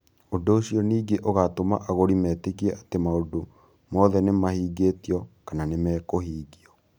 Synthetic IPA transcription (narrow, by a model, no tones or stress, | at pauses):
ondoːɕjɔniːɡeʔoɣatoma̰ʔaɣoɾimɛːtekiɛʔatemaodo | mɔːðɛnemahiːɡetiɔkananemɛːkohiːɡiɔ